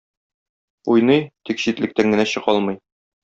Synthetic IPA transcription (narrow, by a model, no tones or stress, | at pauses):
ujnɤjt̪ikɕit̪lɘ̆k̚t̪æŋɡɘ̆næɕɤ̆qɒlˠmɤ̆j